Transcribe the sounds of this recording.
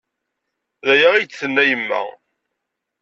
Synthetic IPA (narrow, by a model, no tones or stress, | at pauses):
ðæjæʁijt͡sθənːæjəmːæ̰